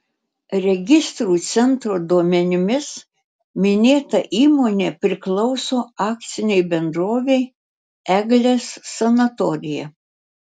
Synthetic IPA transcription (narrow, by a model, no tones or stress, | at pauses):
ɾʲɛɡʲɪst̪ɾuːt̪sʲɛnt̪ɾoːd̪uɔmʲɛnʲɪmʲɪs | mʲɪnʲeːt̪ɐʔiːmoːnʲeːpʲɾʲɪklˠɒʊsoːɑːkt̪sʲɪnʲɛɪbʲɛnd̪ɾoːʋʲɛɪ | ɛɡlʲesːɐnɐt̪ɔɾʲɪjɛ